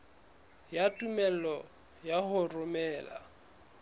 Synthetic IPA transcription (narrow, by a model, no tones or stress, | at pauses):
jatʼumɛl̩ɔ | jahʊrʊmɛːla̰